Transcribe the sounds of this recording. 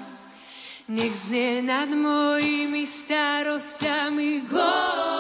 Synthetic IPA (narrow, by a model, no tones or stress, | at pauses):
nʲɛɡznɛnad̪mɔjimist̪aɾɔstʲamiɡlɔ